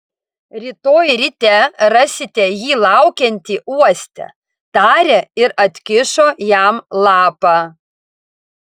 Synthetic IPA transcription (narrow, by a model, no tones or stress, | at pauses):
ɾʲiːt̪oːjɾʲɪt̪ʲɛɾɐsʲɪt̪ʲɛjiːlˠɑʊkʲɛnʲt̪ʲiʔuɔsʲt̪ʲɛ̰ | t̪ɑːɾʲeɪɾɐt̪ʲkʲɪʃoːjæmlˠɑːpɑː